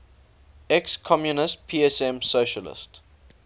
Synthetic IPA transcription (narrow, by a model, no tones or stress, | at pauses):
ɛkskʰɔmjunɪst̚pʰiːɛsɛ̃msoʃəlɪ̰st